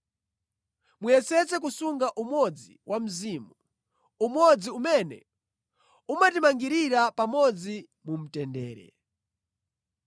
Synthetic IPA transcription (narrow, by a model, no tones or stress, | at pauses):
mujɛsɛt͡sɛk̬usuŋɡaʔumwɔd͡ziwʔam̩ziːmu | umɔd͡ziumɛnɛ̰ | umatimaŋɡiɾiɾapamɔd͡zi | mum̩tɛndɛ̰ːɾɛ̰